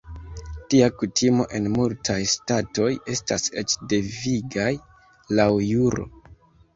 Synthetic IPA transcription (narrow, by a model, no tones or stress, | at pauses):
tiakutʰimo̞̰ʔe̞nmultʰajstato̞je̞stase̞t͡ʃde̞viɡaj | lawjuɾo̞̰